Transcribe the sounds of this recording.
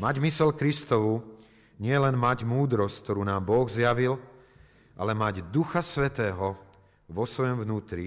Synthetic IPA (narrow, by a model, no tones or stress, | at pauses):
maɟmisɛʎkɾist̪ɔʋu | ɲɪɛlɛnmaɟmuːd̪ɾɔsck̚t̪ɔɾuːnaːmbɔɣzjaʋil | ʔa̰lɛmaɟd̪uxasʋɛt̪ɛːɦɔ | ʋɔsʋɔjɔmvnuːt̪ɾi